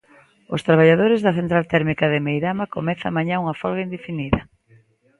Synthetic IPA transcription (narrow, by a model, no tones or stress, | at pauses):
ost̪ɾaβaʎaðoɾɪzðɐθent̪ɾalt̪ɛɾmikɐðɪmejðamakomɛθa̰maɲãuŋɐfɔlɣaind̪efiniðɐ